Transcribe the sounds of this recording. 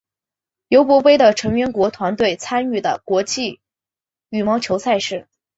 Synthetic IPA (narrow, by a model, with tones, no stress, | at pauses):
jo˧˥ʊpwɔ˧˥pe˥ɪd̪ə˨ʈ͡ʂʰɤ˧˥ŋɥɛ˥nkwɔ˧˥t̪ʰwa˧˥nt̪we˥˩ɪt͡sʰa˥ny˥˩d̪ə̰˩kwɔ˧˥t͡ɕi˥˩ | y˥˩mɑ˧˥ʊt͡ɕʰjo˧˥ʊsʰa˥˧ɪʂɻ̩˥˩